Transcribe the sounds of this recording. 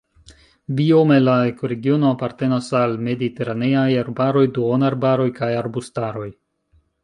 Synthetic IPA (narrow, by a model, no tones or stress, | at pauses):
biome̞laekoɾe̞ɡio̞noapaɾte̞nasalme̞dite̞ɾane̞ajaɾbaɾo̞jduonaɾbaɾo̞jkajaɾbustaɾo̞j